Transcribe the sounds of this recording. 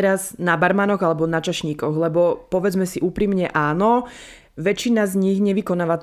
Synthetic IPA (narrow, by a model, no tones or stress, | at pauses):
ɛɾaznabaɾmaːnɔɣalɛbɔnat͡ʃaʃɲiːkɔɣlɛbɔpɔʋɛd͡zmɛsiʔuːpɾimɲɛʔaːnɔ | ʋɛt͡ʃːinazɲiɣɲɛʋikɔnaːʋat͡s